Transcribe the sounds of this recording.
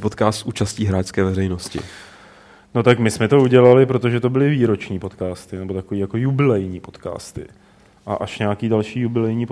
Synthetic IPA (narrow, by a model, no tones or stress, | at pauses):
pot̪kaːst̪sʔuːt͡ʃasciːɦɾaːt͡ʃskɛːvɛrɛjnoscɪ̰ | no̞t̪akmɪsmɛt̪o̞uɟɛlalɪpɾo̞t̪o̞ʒɛt̪o̞bɪlɪviːɾo̞t͡ʃɲiːpo̞t̪kaːst̪ɪnɛbo̞t̪ako̞viːjako̞jubɪlɛjɲiːpo̞t̪ka̰ːst̪ɪ̰ | ʔa̰ʔaʃɲɛakiːdalʃiːjubɪlɛjɲiːp